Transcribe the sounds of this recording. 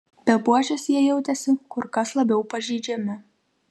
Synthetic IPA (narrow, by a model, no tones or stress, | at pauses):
pʲɛlˠpuɔt͡ʃʲɛsjiɛjɛʊt̪ʲɛsʲɪkʊɾkɐslˠɐbʲɛʊpɐʒʲiːd͡ʒʲɛmʲɪ